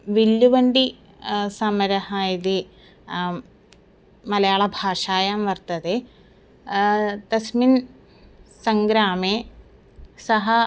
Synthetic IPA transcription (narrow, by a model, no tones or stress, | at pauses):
ʋilːuʋɐɳɖi | sɐmɐɾɐhaːjɐðe | mɐlɐjaːɭɐbʱaːʂaːjaːmʋɐrt̪ɐðe | t̪ɐsmin | sɐŋɡɾaːme | sɐɦɐ